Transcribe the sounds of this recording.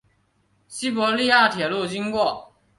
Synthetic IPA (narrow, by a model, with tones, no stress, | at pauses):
ɕi˥pwɔ˧˥li˥˧ja˥˩t̪ʰjɛ˨˩lu˥˩t͡ɕi˥ŋkwɔ˥˩